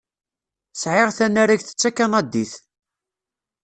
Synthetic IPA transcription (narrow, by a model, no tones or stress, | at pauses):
sʕɪʁθænːaɾæʝθə̥t͡sːækːanæd̪iθ